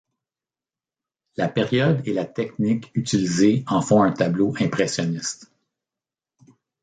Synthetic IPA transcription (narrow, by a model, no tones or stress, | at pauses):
lapeʁjɔd̪elat̪ɛknɪkyt͡silizeɑ̃fɔ̃ɛ̃t̪abloʔɛ̃pʁɛsjɔnɪst̪